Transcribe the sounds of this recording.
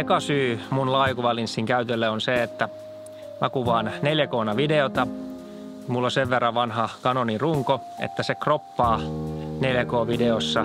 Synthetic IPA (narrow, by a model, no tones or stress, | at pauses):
ekɑsyːmunlɑːikuʋɑlinsːiŋkæyt̪elːeonseet̪ːæ | mækuʋɑːnneljækoːnɑʋideot̪ɑ | mulːoseʋʋerːɑʋʋɑnhɑkɑnoniruŋko | ḛt̪ːæsekropːɑːneljækoːʋideosːɑ